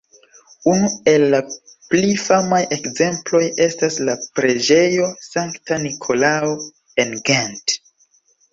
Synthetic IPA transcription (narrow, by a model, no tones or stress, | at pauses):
unue̞lːa | plifamaje̞kze̞mplo̞je̞staslapɾe̞d͡ʒe̞jo̞saŋktanikʰo̞lao | enɡent